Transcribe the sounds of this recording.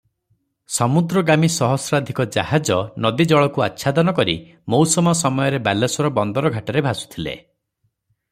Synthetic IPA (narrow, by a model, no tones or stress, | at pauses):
sɔmud̪ɾɔɡamisɔɦɔsɾad̪ʱikɔd͡ʒa̰had͡ʒɔnɔd̪id͡ʒɔɭɔkua̰tːʃʰad̪ɔnɔkɔɾḭ | mowsɔmɔsɔmɔjɔɾebalesɔɾɔbɔnd̪ɔɾɔɡʱaʈɔɾebʱasu̥t̪ʰilḛ